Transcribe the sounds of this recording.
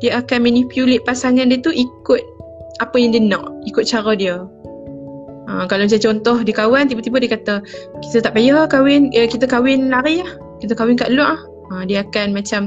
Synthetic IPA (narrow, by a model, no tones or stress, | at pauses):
diəakanminipjulɪʔ̪̚pasaŋãndiət̪uʔikʊt̪̚apəjaŋdiənɔ̃ʔikʊt̪̚t͡ʃaɾədiə | əkalosat͡ʃɔnt̪ɔhdikawant̪ibət̪ibədiəkat̪əki̥t̪ət̪aʔpajəkawɪnəkit̪əkawɪnlaɾiah | kit̪̬əkawɪnka̰ʔlaʔah | ədiəakanmat͡ʃam